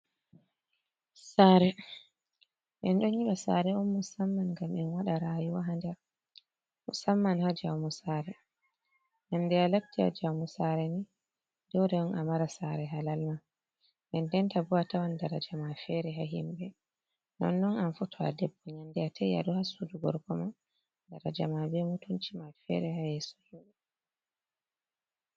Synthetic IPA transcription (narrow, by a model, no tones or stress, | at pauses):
saːɾɛ | ʔɛnɗɔɲiɓasa̰ɾɛɔnmusamːanŋɡamɛnwaɗaɾajuwaɦandɛɾ | musamːanhad͡ʒawmusaɾɛ | ɲandɛalatːia̰d͡ʒawmusaɾɛni | dɔwdɛɔnʔamaɾasaɾɛɦalalma | ɛndɛntabuwatawandaɾad͡ʒamafɛɾɛɦaɦimbɛ | nɔ̰nːɔnanfutʰɔa̰dɛbːɔɲandɛatʰaja̰duhasuduɡɔɾkɔma | daɾad͡ʒamabɛmutunt͡ʃimafɛ̰ɾɛhajɛsɔ̥himbɛ